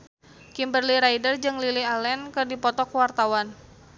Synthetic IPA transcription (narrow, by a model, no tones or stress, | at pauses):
kimbərliɾaidərd͡ʒɨŋlilialɛnkɨrdipɔt̪ɔkwart̪awan